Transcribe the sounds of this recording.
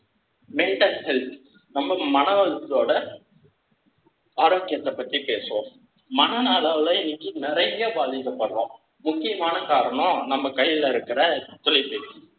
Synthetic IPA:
mɛɳʈɐlhɛlp | nɐmbɐmɐnɐʋɐlɯt̪ːloːɽɐ | aːɾoːkːɪjɐt̪ːɐpːɐʈ̪ːripeːsɯʋõ | mɐnɐnaːlaːʋlɐɪnːɪkːɯnɪɾɐɪŋɡɐbaːðɪkːɐpːɐɽɯɾõ̰ː | mʊkːɪjɐmaːnɐkaːɾɐɳõnɐmbɐkɐjɪlɐɪɾɯkːɪɾɐt̪ʊlɐɪpːe

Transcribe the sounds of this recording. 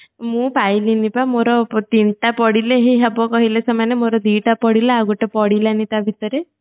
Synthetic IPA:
mũpajlinipamoɾɔt̪inʈapɔɽileɦiɦabɔkɔɦilesɔmanemoɾɔd̪iʈapɔɽilaaɡuʈepɔɽilanit̪abʱit̪ɔɾe

